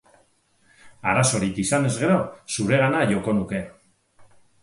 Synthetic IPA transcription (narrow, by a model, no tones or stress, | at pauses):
aɾaso̞ɾikisane̞zɣe̞ɾo̞suɾe̞ɣanaʝo̞ko̞nuke̞